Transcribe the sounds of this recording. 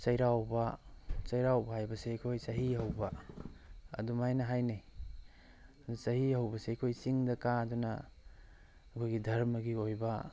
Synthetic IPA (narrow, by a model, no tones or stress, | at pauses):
sɐjɾawbɐsɐjɾawbɐɦajbɐsekʰojsɐɦiɦɐwbɐ | ɐ̰dumajnɐɦajne | sɐɦihɐwbɐseikʰojsiŋdɐkaɐdunɐ | kʰojɡidʱɐɾmɐɡiojbɐ